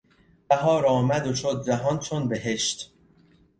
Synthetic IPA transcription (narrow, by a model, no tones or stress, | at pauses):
bæɦɒːɾɒːmæd̪oʃod̪̚d͡ʒæɦɒnt͡ʃʰonbeɦe̞ʃt̪